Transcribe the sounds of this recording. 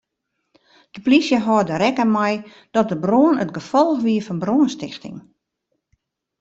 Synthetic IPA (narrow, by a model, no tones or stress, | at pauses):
d̥əplisjəɦɔːdəɾɛkəmɛj | d̥ɔt̚dəbroənətɡəfɔlˠxʋiəfɔnbroənstɪ̰xtɪ̰ŋ